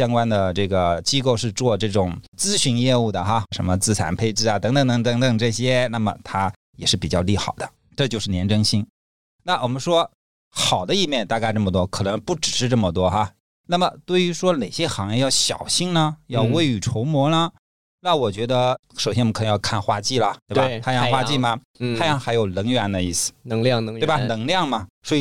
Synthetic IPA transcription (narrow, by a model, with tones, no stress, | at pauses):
ɕjɑ˥ŋkwa˥nd̪ə˨ʈ͡ʂɤ˥˩ɡə˩t͡ɕi˥ko˥˧ʊʂɻ̩˥˧t͡swɔ˥˧ʈ͡ʂɤ˥˩ʈ͡ʂʊ˨˩˦ŋt͡sɹ̩˥ɕy˧˥njɛ˥˧u˥˩d̪ə˩xa˥˧ʂə˧˥nmə˧t͡sɹ̩˥˩t͡sʰa̰˧˥npʰe˥ɪʈ͡ʂɻ̩˥˩a˨t̪ɤ˧˥ŋt̪ɤ˧˩ŋt̪ɤ˧˩ŋt̪ɤ˧˥ŋt̪ɤ˨˩ŋʈ͡ʂɤ˥˩ɕjɛ˥na˥˩mə̰˩t̪ʰa˥ | jɛ˨˩ʂɻ̩˥˩pi˨˩t͡ɕjɑ˥˧ʊli˥˩xɑ˨˩ʊd̪ə˦ | ʈ͡ʂɤ˥˧t͡ɕjo˥˧ʊʂɻ̩˥˩njɛ˧˥nʈ͡ʂɤ˥ŋɕi˥ŋ | na˥˩wɔ˨˩mə˦nʂwɔ˥ | xɑ˨˩ʊd̪ə˦i˥˧mjɛ˥˧nt̪a˥˧ka˥ɪʈ͡ʂmə˩t̪wɔ˥kʰɤ˨˩nɤ˧˥ŋpu˥˩ʈ͡ʂɻ̩˨˩ʂɻ̩˥˧ʈ͡ʂɤ˥˩mə˩t̪wɔ˥xa˥˧ | na˥˩mə˩t̪we˥˩ɪy˧˥ʂwɔ˥ne˨˩ɪɕjɛ˥xɑ˧˥ŋjɛ˥˧jɑ˥˩ʊɕjɑ̰˨˩ʊɕi˥˧ŋnə˧jɑ˥˧ʊwe˥˩ɪy˨˩ʈ͡ʂʰo˧˥ʊmwɔ˧˥nə˧ | na˥˩wɔ˨˩t͡ɕɥɛ˧˥d̪ə˧ʂo˨˩ɕjɛ˥wkʰn˧˥˧jɑ˥˧kʰa˥˧n˧xwa˥t͡ɕi˥˩lə˩t̪we˥˩ba˨˩˧a˥jɑ˥˧˥xwa˥t͡ɕi˥˩mɐ˩ | t̪ʰa˥jɑ˥ŋxa˧˥ɪjo˨˩ʊnɤ˧˥ŋɥɛ˧˥nd̪ə˧i˥˩sɹ̩̥˩˧˥ŋlj̪bɐ˨˩nɤ˧˥ŋljɑ˥˩ŋmɐ˩swɔ˧˥i˧˩